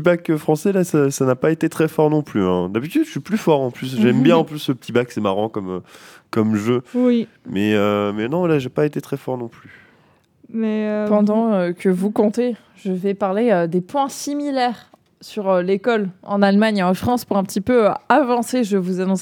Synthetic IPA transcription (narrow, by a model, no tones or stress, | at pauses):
p̪ibakfχɑ̃sɛlasasanapaet̪et̪χɛfɔʁnɔ̃plyɛ̰̃d̪abit̪yʃɥiplyfɔʁɑ̃plys̬ʒɛmbjɛ̃ɑ̃plysləpət̪ʰibaksɛmaʁɑ̃kɔmøkɔmʒøwi | mɛømɛnɔ̃vwalaʒepaet̪et̪χɛfɔʁnɔ̃ply | mɛøpɑ̃d̪ɑ̃økəvukɔ̃t̪e | ʒəvɛpaʁleød̪epwɛ̃similɛʁ | syʁølekɔlɑ̃nalmaɲeɑ̃fχɑ̃spuʁɛ̃pət̪ipøavɑ̃seʒəvuzanɔ̃s